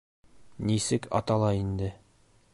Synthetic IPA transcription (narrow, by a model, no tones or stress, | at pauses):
nisɘkɒ̰t̪ɑlˠɑind̪ɘ